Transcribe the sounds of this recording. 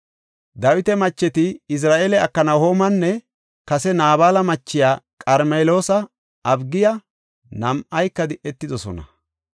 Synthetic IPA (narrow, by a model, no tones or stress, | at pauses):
d̪ɐwɪt̪ɛmɐt͡ʃːɛt̪ɪɪs̬ɾaːʔeːlɛɐkːɐnɐwhoːmɐnːɛ | kɐsɛnaːβaːlɐmɐt͡ʃːɪjaːkʼɐɾmeːlo̞ːsɐ | ɐbɡɪjɐ | nɐmʔɐjkːɐd̪ɪʔɛt̪ːɪd̪ɔsɔ̰nɐ̰